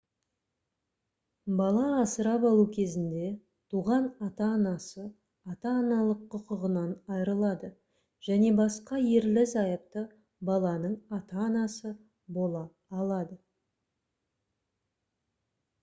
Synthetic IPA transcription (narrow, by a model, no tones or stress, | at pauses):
bɑlˠɑɑsəɾɑpɑlˠukʲʰe̞zɪnd̪e̞ | t̪ʰuʁɑnɑt̪ɑːnɑsə | ɑt̪ɑːnɑlˠəqʰːʊqəʁənɑnɑjəɾəlˠɑd̪ə | ʒ̥æne̞bɑsqɑjeɾlɪzɑjəp̚t̪ə | bɑlˠɑnəɴɑt̪ɑːnɑsə | bo̞lˠɑː | lˠɑd̪ə